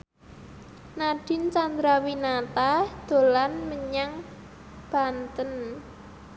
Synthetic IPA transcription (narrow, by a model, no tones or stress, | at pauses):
naɖ̥ɪ̤nt͡ʃand̪ɾawinat̪ad̪̥o̤lanməɲaŋ | b̥a̤nt̪ən